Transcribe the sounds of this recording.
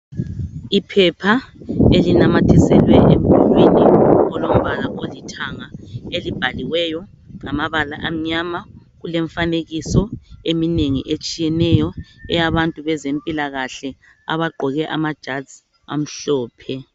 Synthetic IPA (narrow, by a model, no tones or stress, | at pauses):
ipʰɛpʰaelinamatʰisɛlwɛʔem̩βilwiniɔlom̩βalaʔolitʰaŋaelib̥ʱaliwɛjɔ | ŋamaβalaʔam̩ɲama | ɣuleɱfaneɣisɔemineŋḭʔet͡ʃʼijɛnɛjɔɛjaβantʼuβɛzempʼilaɣaɬɛ | a̰βaɡ͡ǃʱɔɣɛʔamad̥ʒ̥ʱadz̥i | a̰m̩ɬɔːpʰɛ